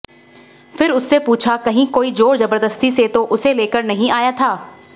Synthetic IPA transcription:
fʰɪɾʊsːepuːt͡ʃʰakɐɦĩkoːid͡ʒoːɽzɐbəɾd̪əst̪iset̪oʔʊseleːkəɾnɐɦĩaːjat̪ʰaː

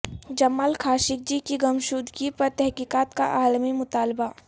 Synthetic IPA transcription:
d͡ʒɐmːaːlkʰaːʃɪk̚d͡ʒikiɡɐmʃuːd̪ʱɡipɐɾt̪ɛɦkiːkaːt̪ka̰ʔaːlmimʊt̪aːlba

